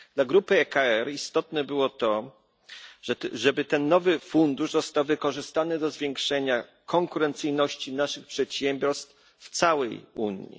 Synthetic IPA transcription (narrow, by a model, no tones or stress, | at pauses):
d̪̥laɡɾupɘɛkaɛɾist̪ɔt̪nɛbɘwɔt̪ɔ | ʐɛbɘt̪ɛnːɔvɘfund̪uʐzɔst̪awvɘkɔʐɘst̪anɘd̪ɔzvʲjɛŋkʂɛɲa | kʰɔŋkuɾɛnt̪sɘjnɔɕt͡ɕinaʂɘxpʂɛt̪ɕɛmbʲjɔɾst̪f | ft̪sawɛjṵɲjḭ